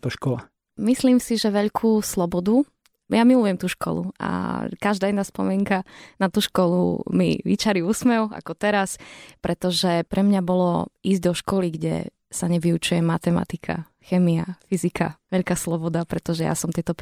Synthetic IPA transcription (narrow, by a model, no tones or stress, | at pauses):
t̪ɔʃkɔla̰ | misliːmsiʒɛʋɛʎkʰuːslɔbɔd̪u | jamilujɛmt̪uːʃkɔ̰lṵa̰kaʒd̪aːɛnaːspɔmiɛŋkanat̪uːʃkɔlṵmḭʋḭt͡ʃaɾiusmɛwa̰kɔt̪ɛɾaspɾɛt̪ɔʒɛpɾɛmɲabɔlɔ̰iːzɟd̪ɔʃkɔliɡɟɛ̰ | saɲɛʋiut͡ʃujɛmat̪ɛma̰t̪ikʰa̰ | xɛːmiafizikʰa̰ʋɛʎkaːslɔbɔd̪apɾɛt̪ɔʒɛja̰sɔmt̪ɪɛt̪ɔp